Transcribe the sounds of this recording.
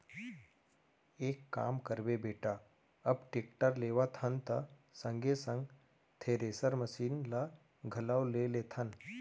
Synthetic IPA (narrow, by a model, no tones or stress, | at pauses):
eːkːa̰ːmkəɾbebeːʈa | əbʈekʈəɾleːʋat̪ʰənt̪ɐsə̃ŋɡesə̃ŋɡ | t̪ʰeːɾeːsəɾməsiːnla | ɡʱɐlawleleːt̪ʰan